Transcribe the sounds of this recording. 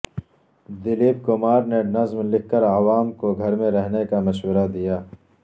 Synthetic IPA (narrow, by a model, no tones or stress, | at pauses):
d̪ɪliːb̚kʊmaːɾnenɐzmlɪkːəɾawaːmkoɡʱɐɾmẽɾɛɦnekamɐʃwəɾad̪ijaː